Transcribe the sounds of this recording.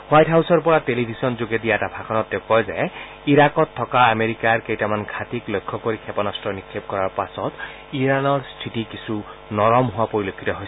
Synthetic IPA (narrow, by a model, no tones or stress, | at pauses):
wajtʰɦawsɔɹpɔɹatelibʱisɔnzoɡɛdijaɛtabʱakʰɔnɔtːɛʊkɔjzɛ | iɹakɔtʰːɔkaːmeɹikaɹkejtamanɡʱatiklojkʰːɔkoɹikʰɛpɔnɔstɹɔnikʰːep̚kɔɹaɹpasɔt | iɹanɔɹstʰitikisunɔɹɔmɦʊwapoɹilokʰitɔɦojs